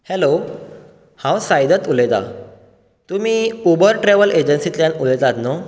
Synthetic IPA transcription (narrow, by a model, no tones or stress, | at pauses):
helo | hãwsajd̪ət̪ulet̪a̰ | t̪um̤iːubəɾʈɾeʋəled͡ʑənsit̪ljanulet̪at̪no